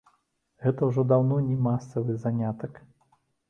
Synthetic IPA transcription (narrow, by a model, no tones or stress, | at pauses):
ɣɛt̪ɐwʐɔd̪awnɔnʲɛmasɐvɨzanʲat̪ɐk